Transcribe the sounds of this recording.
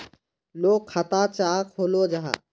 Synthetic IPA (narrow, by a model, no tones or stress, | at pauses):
loːkʰat̪aːt͡ʃaːkʰoːloːd͡ʒaɦa̰